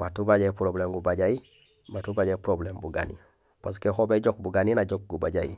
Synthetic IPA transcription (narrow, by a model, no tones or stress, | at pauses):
matubad͡ʒepɾoblemɡubad͡ʒai | matubad͡ʒapɾoblembuɡa̰nḭ | pos̬kexobed͡ʒok̚buɡaninad͡ʒok̚ɡubaɟaḭ